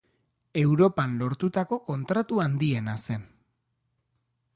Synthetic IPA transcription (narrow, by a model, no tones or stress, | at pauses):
e̞wɾo̞panlo̞ɾt̪ut̪ako̞ko̞nt̪ɾat̪uand̪ie̞nase̞n